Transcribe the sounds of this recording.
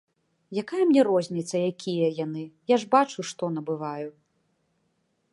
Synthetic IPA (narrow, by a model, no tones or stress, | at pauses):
jakajɐmnʲɛɾɔzʲnʲit̪sɐjakʲʰijɐjanɨjaʐbat͡ʂuʂt̪ɔnɐbɨvaju